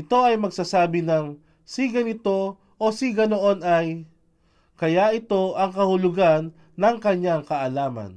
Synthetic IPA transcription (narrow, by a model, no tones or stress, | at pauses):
ɪt̪o̞ɐjmɐɡsasaːbɪnɐŋ | siɡɐnɪt̪o̞ | ʔosiɡɐnoʔonɐj | kɐjaʔɪt̪o̞ʔɐŋkɐhʊlʊɡanː | ɐŋkɐɲaŋkɐʔɐlaːmɐ̰n